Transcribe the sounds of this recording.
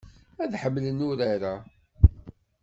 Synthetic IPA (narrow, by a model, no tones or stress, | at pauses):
æðħəmːlənːʊɾaɾa